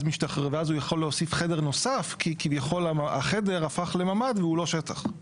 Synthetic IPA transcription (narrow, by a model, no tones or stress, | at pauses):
zmiʃtaχʁevazujaχo̞lːeosifχedeʁno̞safkʰikivjaχo̞laa̰χede̞ʁafaχle̞mamadveulo̞ʃetaχ